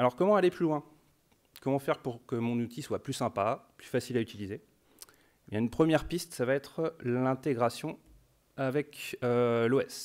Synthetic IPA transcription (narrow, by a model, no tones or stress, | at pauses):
alɔʁkɔmɑ̃aleplylwɛ̃ | kɔmɑ̃fɛʁpuʁkəmɔ̃nut̪iswaplysɛ̃paplyfasilayt̪ilize | ebjɛ̃ynpχəmjɛʁpist̪savaɛt̪χlɛ̃t̪eɡʁasjɔ̃ | avɛkøloɛs